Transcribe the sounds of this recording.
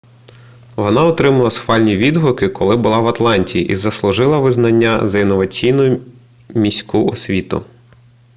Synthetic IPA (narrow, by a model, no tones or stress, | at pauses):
ʋɔnɑɔt̪ɾɪmɐlˠɐsxʋɑlʲnʲiʋʲid̪ɦɔkɪkʰɔlˠɪbʊlˠɑʋɐt̪lˠɑnʲtʲijiʔizɐslˠʊʒɪlˠɐʋɪznɐnʲːɐzɐinːɔʋɐt͡sʲijnʊjʊ | mʲisʲkʊɔsʲʋʲit̪ʊ̰